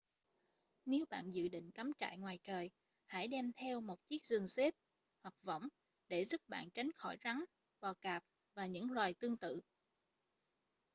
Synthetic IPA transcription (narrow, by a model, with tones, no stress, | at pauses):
ne˨˦wɓa̰ː˧˨nzɨ̰˧˨ɗḭ̈˧˨ŋ̟ka˨˦mt͡ɕa̰ː˧˨jŋwaː˨˩jt͡ɕəː˨˩j | ha̰˧˥jɗɛ˧mt̪ʰɛ˧wmo˨˩t̚t͡ɕi˦˥ək̚zɨ˨˩ŋse˦˥p̚ | hwa˨˩k̚və̰˧˥˨wŋ͡m | ɗe˧˩zu˦˥p̚ɓa̰ː˧˨nt͡ɕa˨˦jŋ̟xɔ˧˩jza˨˦ŋ | ɓɔ˨˩kaː˨˩p̚ | vaː˨˩ɲɨ̰˧˥ŋlwaː˨˩jt̪ɨ˧əŋt̪ɨ̰˧˨